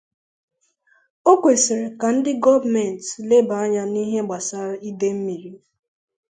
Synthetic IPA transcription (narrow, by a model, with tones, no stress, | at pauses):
o˦kʷe˨si˨ɾe˨ka˨n̩˦dɪ˦ɡɔ˦va˨mɛ˨n̩˨tle˦ba˨a˦ɲa˦ni˦ɦe˦ɡ͡ba˨sa˦ɾi˦de˦m̩˦mi˨ɾi˦